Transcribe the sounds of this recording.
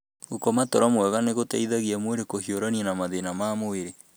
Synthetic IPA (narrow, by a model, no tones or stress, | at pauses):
ɣokɔmatɔɾamwɛɣaneɣotaiðaɣiamweɾekohioɾanɛnamaðenamamoeɾe